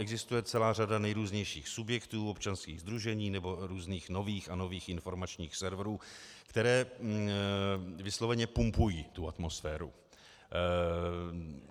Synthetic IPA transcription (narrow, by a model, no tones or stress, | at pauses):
ʔɛɡzɪst̪ujɛt͡sɛlaːr̝adanɛjɾuːzɲɛjʃiːxsubjɛkt̪uːopt͡ʃanskiːɣzd̪ɾuʒɛɲiːnɛbo̞ɾuːzniːxno̞viːxano̞viːxʔɪnfo̞ɾmat͡ʃɲiːxsɛɾvɾuːkt̪ɛɾɛː | vɪslovɛɲɛpumpujiːt̪uat̪mo̞sfɛːɾṵ